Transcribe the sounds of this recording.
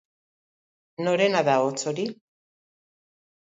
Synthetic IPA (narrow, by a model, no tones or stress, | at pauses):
no̞ɾenaðaot͡soɾi